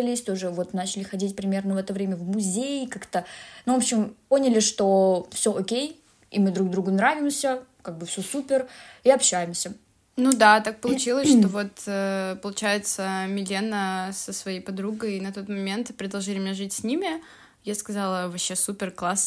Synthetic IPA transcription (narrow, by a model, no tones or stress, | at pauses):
ɪlʲɪsʲt̪o̞ʐɨvo̞t̪nat͡ɕɪlʲɪxɐdʲitʲpɾʲɪmʲe̞rnəvɛt̪əvɾʲemʲəvmʊzʲejkakt̪ənuvopɕɪmpo̞nʲɪlʲɪʂt̪o̞fsʲɵʔokʲej | ḭmɨd̪ɾuɡ̚d̪ɾuɡʊnɾavʲɪmsʲəkaɡ̚bɨfsʲɵsupʲɪriɐpɕæjɪmsʲə | nud̪at̪ak̚pəlˠʊt͡ɕilˠəsʂt̪ovo̞t̪əpəlˠʊt͡ɕæjɪt̪səmʲɪlʲenəsəsvɐjejpɐd̪ɾuɡəjinɐt̪o̞t̪mɐmʲe̞nt̪pɾʲɪd̪ɐlˠʐɨlʲɪmʲɪnʲeʐɨtʲsʲnʲimʲɪ | jaskɐzɑlˠəvɐɕːesupʲɪrklˠas